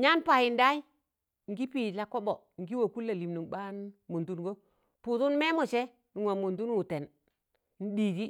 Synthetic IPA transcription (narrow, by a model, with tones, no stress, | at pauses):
ɲa˦npa˨ji˨nda˦i˦ | ŋ˦ɡi˦piː˨la˨ko˦ɓo˨ŋ˨ɡi˦wo˨ku˦lːa˨li˨mnu˨ŋɓa˦nmu˨ndu˦nɡo˦ | pu˨tu˦nme˦mo˨t͡ʃe˦ | n˨ŋwo˨mo˨ndu˦nwu˨te˨n | n̩˦diː˨di˦